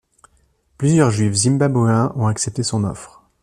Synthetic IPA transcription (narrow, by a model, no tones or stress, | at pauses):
plyzjœʁʒɥifzimbabɛ̃ʔɔ̃aksɛp̚t̪esɔ̃nɔ̰fχ